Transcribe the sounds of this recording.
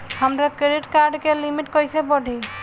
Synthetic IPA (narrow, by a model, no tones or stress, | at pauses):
həmɾakɾeɾiʈkaɾɖkelimiʈkɔjsebəɖʱi